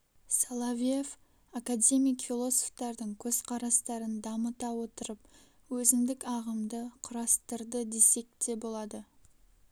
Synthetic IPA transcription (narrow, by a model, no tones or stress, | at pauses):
salˠavʲief | akadʲe̞mijkfʲilˠo̞soft̪ɑɾd̪əɴkʲʰɵz̥qʰɑɾɑst̪ɑɾənd̪ɑmət̪ɑwo̞t̪əɾəp̚ | wɵzɪmd̪ɪkɑʁəmd̪əqʰʊɾɑst̪əɾd̪əd̪e̞se̞k̚t̪e̞bolˠɑd̪ə